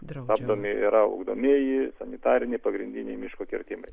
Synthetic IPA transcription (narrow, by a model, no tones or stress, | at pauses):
t̪ɑːbd̪oːmʲɪḭɾɐʊ̰ɡd̪o̰ːmʲeːjɪsɐnʲɪt̪ɑːɾʲɪnʲɪpɐɡɾʲɪnʲd̪ʲɪnʲɛɪmʲɪʃkoːkʲɪrʲt̪ʲɪmɐ̰ɪ